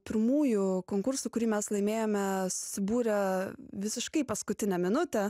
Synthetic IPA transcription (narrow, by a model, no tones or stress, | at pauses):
pʲɪɾmuːjʊkoːŋkʊɾsʊkʊɾʲiːmʲɛslˠɐɪmʲeːjomʲɛsʊ̥sʲɪbuːɾʲɛʋʲɪsʲɪʃkɐɪpɐskʊt̪ʲɪnʲɛmʲɪnʊt̪ʲɛ